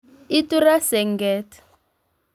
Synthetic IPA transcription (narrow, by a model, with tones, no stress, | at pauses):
i˦tu˦ɾa˦sɛ˨ŋ̩˨ɡɛːtḁ